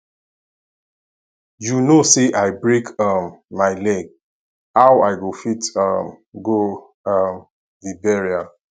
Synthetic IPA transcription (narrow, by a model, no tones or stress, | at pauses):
junoseʔaɪbɹekʌmːaɪlɛɡ̚ | awaɪɡofitʌm | ɡo | ʌm | vibɛɹia